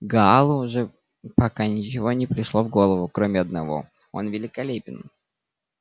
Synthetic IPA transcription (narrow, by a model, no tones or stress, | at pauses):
ɡɐalˠʊʐɛ | pɐkanʲɪt͡ɕɪvo̞nʲɪpɾʲɪʂlˠo̞vɡo̞lˠəvʊkɾomʲɪɐd̪nɐvo̞̰ | o̞̰nvʲɪlʲɪkɐlʲepʲɪn